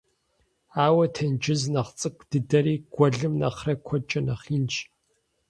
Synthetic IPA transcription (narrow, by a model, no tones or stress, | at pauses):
aːwɐtʰɐnd͡ʒɪznɐχt͡sʼɨkʷʰʼd̥ɨdɐɾiːɡ̥ʷɔɮɨmnɐ̰χrɐkʷʰɔt͡ʃʼɐnɐχiːnt͡ʃ